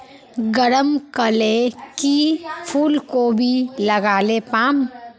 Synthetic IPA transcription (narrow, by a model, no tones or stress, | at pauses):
ɡəɾəmkəlekipʰuːlkobʱiləɡaːlepaːm